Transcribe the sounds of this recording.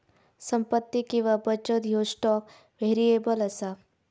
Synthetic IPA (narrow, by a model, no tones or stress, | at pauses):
səmpət̪ːikĩw̃ʋabət͡ʃət̪josʈɔk | ʋʱeɾijebələsa